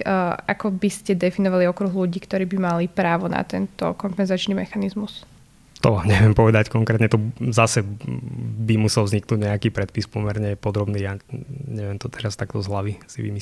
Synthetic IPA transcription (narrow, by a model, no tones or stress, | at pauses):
akɔbiscɛd̪ɛfinɔʋaliɔkɾuɣluɟiːkt̪ɔɾiːbimalipɾaːʋɔna̰t̪ɛnt̪ɔ̰kɔmpɛnzat͡ʃnimɛxanizmus | t̪ɔaɲɛʋɪɛmpɔʋɛd̪ackɔŋkɾɛt̪ɲɛt̪ɔzasɛ | bimusɛlvzɲiknuːɟɲɛakiːpɾɛt̪̚pispɔmɛɾɲɛpɔd̪ɾɔbniːjaɲɛʋɪɛmt̪ɔt̪ʰɛɾast̪akt̪ɔzɦlaʋisiʋḭmi